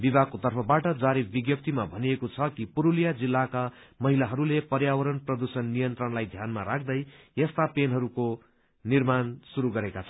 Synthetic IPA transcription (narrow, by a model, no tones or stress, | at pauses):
bibʱakot̪ʌrpʰʌbaʈʌd͡zaɾibiɡjʌp̚t̪imabʱʌnijekot͡sʰʌkipuɾulijad͡zilːaka | mʌɦilaɦʌɾulepʌrjawʌɾʌnprʌd̪usʌnːijʌnt̪rʌnlajd̪ʱjanmaɾak̚ʰd̪ʌjjest̪apenɦʌɾuko | nirmansuɾuɡʌɾekat͡sʰʌn